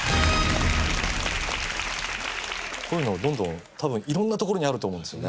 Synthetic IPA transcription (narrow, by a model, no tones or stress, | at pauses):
kʰoːjɯ̟no̞ad̪õ̞nd̪õ̞n | t̪ʰabɯ̟̃ɰ̃iɾõ̞nːat̪oko̞ɾoɲiaɾɯ̟t̪oːmõndesɨjo̞ne